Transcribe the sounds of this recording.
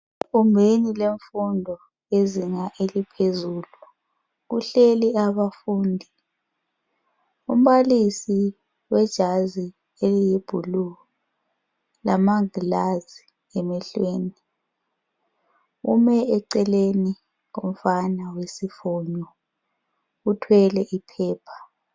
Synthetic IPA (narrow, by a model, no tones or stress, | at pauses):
umbʱenileɱfundʱɔ | eziŋaʔelipʰezuːlu | ɣuɬeliaβafuːndʱi | ṵm̩βalisi | wɛd̥ʒ̥ʱazi | elijeb̥ʱulu | lamaŋilazi | ɛmɛɬweːni | ṵmɛɛǀɛleni | ŋom̩fanawesifɔɲɔ | utʰwɛlɛʔipʰɛːpʰḁ